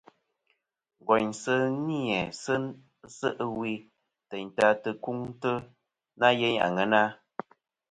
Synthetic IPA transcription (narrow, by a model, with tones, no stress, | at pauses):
ŋ˨ɡɔ˨ɲsə˦ni˦ɛ˨sə˦ | zə˦ʔwi˧ | tə˨ɲ˨ta˧tə˧ku˦ŋ˦tə˦ | na˦je˦ɲ̰˨a̰˨ŋə˨˦na˦